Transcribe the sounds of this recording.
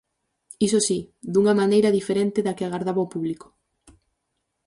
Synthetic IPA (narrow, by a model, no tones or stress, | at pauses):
is̬osid̪uŋɐmanejɾɐðifeɾent̪ɪðakɪaɣaɾðaβaopuβlikʊ̥